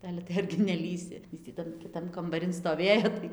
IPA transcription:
ˈɑːlʲɛ tɐɪ ɐrʲɡʲɪ nʲɛˈlʲiːsʲɪ ˈɪs tʲiː ˈtɐn kʲɪˈtɐn kɐmbɐˈrʲɪn stoːˈʋʲeːjoː tɐɪ

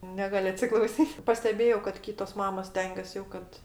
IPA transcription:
ˈnʲæːɡɐlʲ ɐtʲsʲɪklˠɐʊˈsʲiːtʲ pɐsʲtʲɛˈbʲeːjɛʊ kɐt ˈkʲiːtoːs ˈmɑːmoːs ˈsʲtʲɛŋʲɡʲɛs jɛʊ ˈkɐt

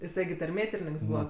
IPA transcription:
jɪˈsɐɪ ɡʲɪ tɐrʲˈmʲeːtʲɪrʲɪnʲɪŋks ˈbuːʋɐ

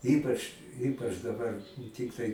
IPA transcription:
ˈiːpɐt͡ʃ ˈiːpɐt͡ʃ dɐˈbɐr ˈtʲɪktɐɪ

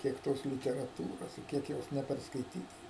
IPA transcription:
ˈkʲiɛk ˈtoːs lʲɪtʲɛrɐˈtuːroːs ɪ ˈkʲiɛk ˈjoːs nʲɛpʲɛrskɐɪˈtʲiːtɐ

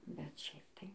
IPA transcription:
bʲɛt ˈʃʲɛɪp tɐɪ

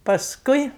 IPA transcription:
pɐsˈkʊɪ

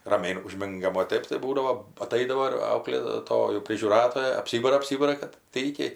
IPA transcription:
rɐˈmʲɛɪ ʊˈʒʲmʲɪŋɡɐm oː ˈtɜp tɐɪ ˈbuːdɐʋoː ɐˈtɐɪdɐʋoː ɪr ɐʊklʲeːˈtoːjuː pʲrʲɪʒʲuːˈrɑːtoːjɛ ɐpʲˈsʲiːbɐrɐ ɐpʲˈsʲiːbɐrɐ kɐt ˈtɐɪkʲɛɪ

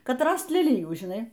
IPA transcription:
ˈkɐt ˈrɐst lʲɛˈlʲɪjuː ʒʲɪˈnɐɪ

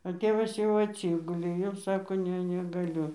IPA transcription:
ɐ ˈtʲeːʋɐs jɛʊ ɐtʲˈsʲɪɡʊlʲeː jɛʊ ˈsɑːkoː ˈnʲɛ nʲɛɡɐˈlʲʊ

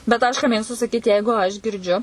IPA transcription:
bʲɛt ɐʃ kɐ ˈmʲeːkstʊ sɐˈkʲiːtʲɪ ˈjɛɪɡʊ ɐʃ ɡʲɪrʲˈd͡ʒʲʊ

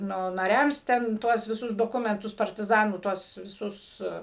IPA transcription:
ˈnʊ nɐˈrʲɛms tʲɛn ˈtuɔs ʋʲɪˈsʊs doːˈkʊmʲɛntʊs pɐrʲtʲɪˈzɑːnuː ˈtuɔs ʋʲɪˈsʊs

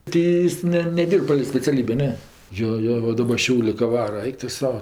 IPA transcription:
ˈtʲiː ˈjɪs ˈnʲɛ nʲɛˈdʲiːrp pɐlʲɛɪ sʲpʲɛt͡sʲɛˈlʲiːbʲeː ˈnʲɛ ˈjoː ˈjoː ˈʋɐ ˈdɑːbɐ ˈʃʲɛʊlʲeː kɐ ˈʋɑːrɐ ˈɐɪk tʊ ˈsɐʊ

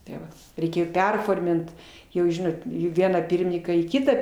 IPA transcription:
tʲeː ˈʋɐ rʲɛɪˈkʲeːjoː ˈpʲɛrfoːrʲmʲɪnt ˈjɛʊ ˈʒʲɪnoːt ˈʋʲiɛnɑː ˈpʲiːrʲmʲɪnʲɪŋkɑː iː ˈkʲɪtɑː

